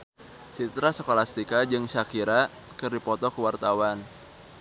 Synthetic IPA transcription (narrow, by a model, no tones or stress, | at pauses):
sit̪ɾasəkolast̪ikad͡ʒɨŋʃakiɾa | kɨrdipɔt̪ɔkəwart̪awan